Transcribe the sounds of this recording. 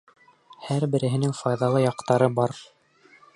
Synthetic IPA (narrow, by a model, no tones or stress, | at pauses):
hæɾbɘ̆ɾɘ̆ɦɘ̆nɘŋfɑjðɑlˠɤjɑqt̪ɑɾɤbɑɾ